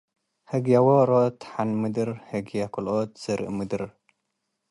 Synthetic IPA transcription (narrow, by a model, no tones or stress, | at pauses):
hɨɡjawoɾot̪ħanmɨd̪ɨɾhɐɡjakʰulʔot̪z̥ɐɾʔmɨd̪ɨɾ